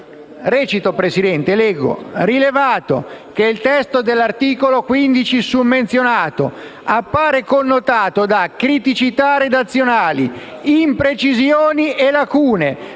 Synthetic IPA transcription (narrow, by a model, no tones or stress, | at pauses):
rɛːt͡ʃit̪opɾesid̪ɛnt̪elɛɡːo̰rilevaːt̪o̰k̟eilt̪ɛst̪od̪elːart̪iːkolokwind̪it͡ʃisumːent̪sjonaːt̪o̰ | apːaːɾekonːot̪aːt̪od̪akɾit̪it͡ʃit̪ared̪at̪sːjonaːli | impɾet͡ʃizjoːnielakuːne